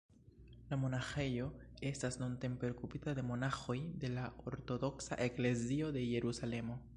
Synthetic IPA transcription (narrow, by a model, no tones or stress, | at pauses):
lamo̞naxe̞jo̞e̞stasnont̪e̞mpeokupitad̪e̞mo̞naxo̞jd̪e̞laoɾto̞do̞ksa̰ʔe̞kle̞zio̞d̪e̞je̞ɾusale̞mo̞